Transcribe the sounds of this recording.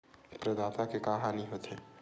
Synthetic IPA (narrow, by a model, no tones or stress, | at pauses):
pɾəd̪aːt̪akekaːɦaniɦot̪e